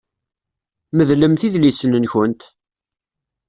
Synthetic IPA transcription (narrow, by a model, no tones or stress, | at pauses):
məðləmθiðlisnənçənt̪